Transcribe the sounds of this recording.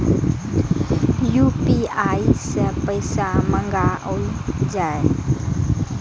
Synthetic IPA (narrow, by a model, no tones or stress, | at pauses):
juːpiːaːisəpəɪsamə̃ŋɡaɦoid͡ʒaːe